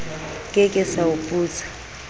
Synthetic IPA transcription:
kʼɪkʼɪsaʊpʼuːt͡sʰʼḁ

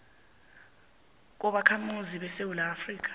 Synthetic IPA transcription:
k̬ɔɓakʰamuziɓɛsewulaːfriːk̬ḁ

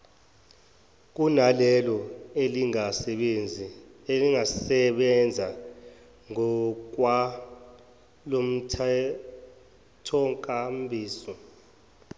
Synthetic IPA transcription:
k̬ʼunalɛlɔeliŋasɛɓend͡zʱieliŋasɛɓɛnd͡zʱa | ŋɔk̬wa | lom̩tʰ | tʰɔŋkʼambʱiːsɔ

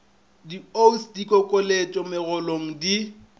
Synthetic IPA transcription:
diosdikʼɔkʼolet͡ʃʼɔmɪɣʊloŋ̩di

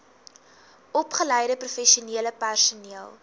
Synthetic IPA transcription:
ɔpχəlɛjdəprufɛʃiuniələpærsuniəlˠ

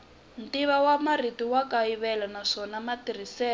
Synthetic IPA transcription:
ntiβawamaritiwakaiβɛlanaʂɔnamatir̤isɛː

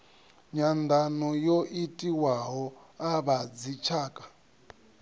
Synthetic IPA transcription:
ɲand̪ʱanɔjoʔitʼiwaɦɔaβad͡zit͡ʃʰaːkʼḁ

